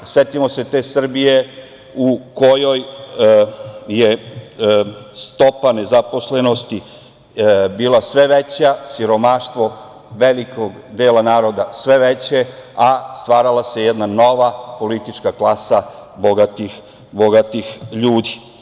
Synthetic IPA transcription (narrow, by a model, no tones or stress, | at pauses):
se̞t̪imo̞se̞t̪e̞ːsr̩bije̞ | uko̞jo̞j | je | st̪o̞pane̞zapo̞sle̞no̞st̪i | biːlˠasʋe̞ʋe̞t͡ɕasiɾo̞maʃt̪ʋo̞ | ʋe̞likoɡ | d̪e̞ːlanaːɾo̞d̪asʋe̞ʋe̞t͡ɕe̞ast̪ʋaːɾalase̞jed̪nano̞ʋapo̞lit̪it͡ʃkaklasabo̞ɡat̪ix | boɡat̪ixʎuːd̪i